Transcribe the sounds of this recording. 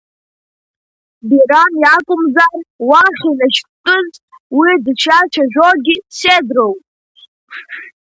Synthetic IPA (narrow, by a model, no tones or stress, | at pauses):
biɾaniakʷʼʊmzarwaχʲinaʃtʰkʼɨz | widt͡ʃʰat͡ʃʰaʒʷᶣoɡʲisedrowpʼ